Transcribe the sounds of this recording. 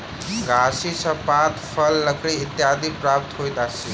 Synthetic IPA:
ɡʱasit͡sʰʌpat̪pʰʌlːʌkʰɾiit̪jad̪ipɾap̚t̪ɦojt̪asi

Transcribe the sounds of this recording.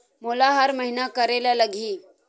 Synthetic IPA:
molaɦəɾməɦinakəɾeljaləɡʱiː

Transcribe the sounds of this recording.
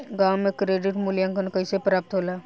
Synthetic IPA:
ɡãːwmẽkɾeːɖɪʈmʊljãŋkənkəisepɾaːp̚t̪ɦoːlaː

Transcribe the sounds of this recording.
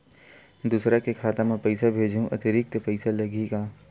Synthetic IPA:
d̪uːsɾakekʰaːt̪ãmɛ̃pɐɪsabʱeːd͡ʒɦũʔɐ̰t̪ɪɾɪk̚t̪pɛɪsalɐɡikaː

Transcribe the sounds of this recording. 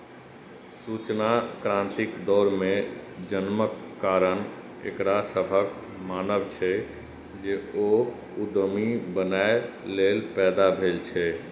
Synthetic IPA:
sut͡ʃnakɾãnt̪ikd̪ɔɾmẽd͡ʒənməkːaɾən | ḛkɾasəbʱək | manəbt͡ʃʰɛ | d͡ʒeo | ud̪mibənae | lelpɛːd̪abʱelt͡ʃʰɛ

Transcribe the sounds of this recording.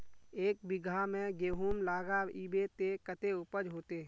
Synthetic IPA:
eːk̚bɪɡʱamẽɡeːɦuːmlaːɡaiːbet̪ekət̪eʊpəɾɦoːt̪e

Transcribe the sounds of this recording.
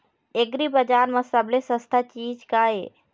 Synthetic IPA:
eɡɾibəd͡ʒaːɾmə̃səblesəst̪ʰat͡ʃiːd͡ʒkae

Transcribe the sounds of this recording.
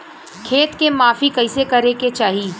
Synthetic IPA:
kʰeːt̪kemaːfikɐɪsekɐɾeket͡ʃaːɦiː

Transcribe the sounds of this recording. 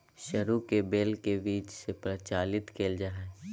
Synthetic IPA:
ʃɐɾukebeːlkebiːt͡ʃsepɾət͡ʃaːlɪt̪kʰeːld͡ʒaːɦɛ

